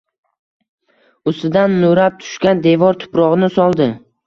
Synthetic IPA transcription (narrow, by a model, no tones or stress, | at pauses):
ʊsɪd̪anːoɾap̚t̪ʰʊ̥ʃkʲand̪e̞vɒɾt̪ʰʊ̥pɾɒʁnɪsɒlˠd̪ɪ